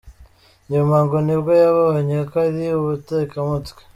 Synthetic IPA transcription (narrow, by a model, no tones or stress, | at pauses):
ɲomaːŋɡonibɡojaβahoɲakaðiuβuteːkamutwe̥